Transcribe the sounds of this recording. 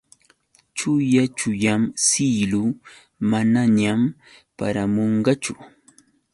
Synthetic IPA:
t͡ʃʊjat͡ʃʊʎamsilʊ | manaɲam | pa̰ɾamoɴɢɑt͡ʃʊ

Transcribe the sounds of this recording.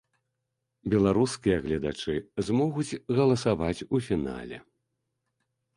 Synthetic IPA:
bʲɛlˠaɾuskʲijɐɣlʲɐd̪a̰t͡ʂɨzmɔɣud͡zʲɣɐlˠɐsavat͡sʲufʲina̰lʲɛ̰

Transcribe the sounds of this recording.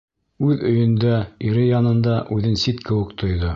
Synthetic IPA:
ʉðɵ̆jɵ̆nd̪æiɾɘjɑnɤ̆nd̪ɑʔʉðɘnsit̪kʰɘ̆wɘ̆kt̪ʰŏjðo

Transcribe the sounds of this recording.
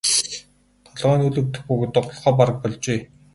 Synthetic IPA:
t̪ʰɔɮʁœːnɵɮɵ̆wt̪ɘ̆xpuɣ̆t̪ə̆qɔɮχɔːpaɾə̆k̚pɔɮt͡ɕeː

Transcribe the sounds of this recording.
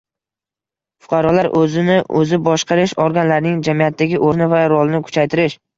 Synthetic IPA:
fʊ̥qʰɑɾɒlaɾʔɵzɪnɪɵ̰zɪbɒʃqɑɾɪʃɒɾɡʲanlaɾnɪŋd͡ʒamijat̪ʰːaɡʲɪʔoɾnɪvaɾɒlˠɪnɪkʰʊ̥t͡ʃʰajt̪ʰɪɾɪʃ

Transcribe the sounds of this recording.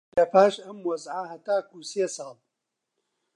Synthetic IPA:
lɐpʰaːʃɐmwɐzʕaɦɐt̪aːkuseːsɑːl

